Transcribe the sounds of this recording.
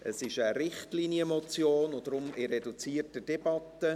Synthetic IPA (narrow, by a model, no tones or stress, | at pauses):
ʔəsɪʃəɾɪχtliniəmɔt͡sjoːnod̥̪ɾʊmɪɾɛdut͡siːrtəd̥ɛb̥ɑt̪ːə